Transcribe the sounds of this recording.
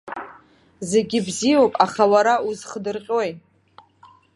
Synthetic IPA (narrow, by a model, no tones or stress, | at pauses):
ze̞ɡʲɪbziopʼaχawaɾauzχədɨrqʲʼo̞j